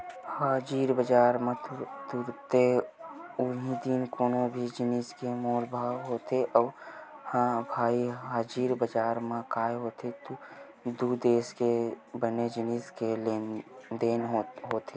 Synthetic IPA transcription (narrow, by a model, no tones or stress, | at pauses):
haːd͡ʒiːɾbəd͡ʒaːɾmãt̪t̪uɾt̪e | ʊɦĩd̪inkoːnobʱid͡ʒɪniskemoːlbʱaːwɦoːt̪eʔɔːɾhãːbʱaːiɦaːd͡ʒiːɾbəd͡ʒaːɾmãkaːeɦoːt̪et̪u | d̪uːd̪eːskebəned͡ʒɪniskeled̪eːnɦoːt̪e